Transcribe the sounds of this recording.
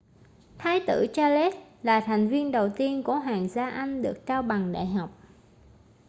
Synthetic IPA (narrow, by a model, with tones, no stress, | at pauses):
t̪ʰaː˨˦jt̪ɨ̰˧˩t͡ɕaː˧le˦˥t̚laː˨˩t̪ʰa˨˩jŋ̟vi˧ənɗə˨˩wt̪i˧ənku˧˩əɦaː˨˩ŋzaː˧ʔa˧jŋ̟ɗɨ˨˩ək̚t͡ɕaː˧wɓa˨˩ŋɗa̰ː˧˨jɦa˨˩wk͡p̚